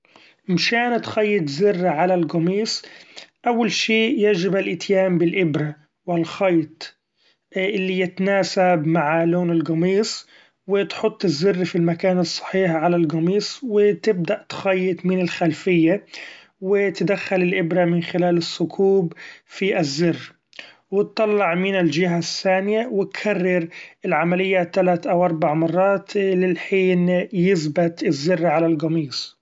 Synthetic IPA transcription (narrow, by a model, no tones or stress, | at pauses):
mʃaːnt̪xɑjːɪt̪zɪrːaʕalalɡɑmiːsˤʔawːalʃiːjad͡ʒɪbalʔɪt̪jaːmbɪlʔɪbɾa | wɪlxɑːt̪ˤ | ʔɪlːijɪt̪naːsabmaʕloːnɪlɡɑmiːsˤ | wɪt̪ħʊt̪ˤːɪzːɪrːfilmakaːnɨsˤːɑ̥ħiːħʕalalɡɑmiːsˤwɪt̪ɪb̚d̪aʔt̪xajːɪt̪mɪnɪlxalfɪjːa | wɪt̪d̪axːalɪlʔɪbɾamɪnxɪlaːlɪsːʊkʰuːbfiʔɪzːɪrː | wɪt̪ːɑlːɑʕmɪnɪld͡ʒɪɦaθːaːnɪjawɪt̪kʰarːɑɾɪlʕamalɪjːaːt̪ːalaːt̪ʔawʔɑɾˤbaʕmɑrˤːɑːt̪lɪlħiːnjɪsbɪt̪ɪzːɪrːʕalalɣɑmiːsˤ